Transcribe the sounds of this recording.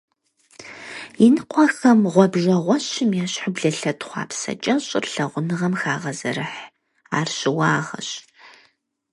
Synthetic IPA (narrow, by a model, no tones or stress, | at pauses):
jɪnɨqʷʰʼɔxɐmʁʷɔbʒɐʁʷɔɕɪmjaːɕħʊbɮɐɬɐtχʷɑ̰ːpsɐ̰t͡ʃʼɐɕʼɪrɬɐʁʷʊnɨʁɐmxaːʁɐzɐ̰ɾɨħ | aːrɕɪwɑːʁɐ̰ɕ